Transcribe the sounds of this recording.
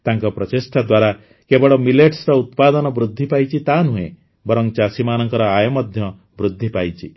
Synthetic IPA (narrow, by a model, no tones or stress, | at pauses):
t̪aŋkɔpɾɔt͡ʃesʈʰad̪waɾa | kebɔɽɔmileʈsɾɔut̪pad̪ɔnɔbɾud̪ʱːipajt͡ʃʰit̪anũɦẽ | bɔɾɔŋt͡ʃasimanɔŋkɔɾɔajɔmɔd̪ʱjɔ | bɾud̪ʱːipajt͡ʃʰi